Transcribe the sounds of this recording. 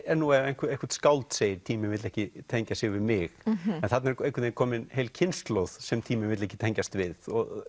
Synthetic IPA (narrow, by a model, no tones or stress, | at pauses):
ɛɾnuɛɾejnkʰejŋkḁɾt̪skawlt̪seːjɪɾ̥t̪ʰiːmɪvɪt̪lɛhcɪt̪ʰɛɲcasjɪɣvɪðmɪxɛnθat̪naɾẽjŋkvʏt̪ɪkʰɔːmɪnheːjlcʰɪnst̪lowðsɛmt̪ʰiːmɪvɪt̪lɛhcɪ̥t̪ʰɛɲcast̪vɪðɔ̰ɣ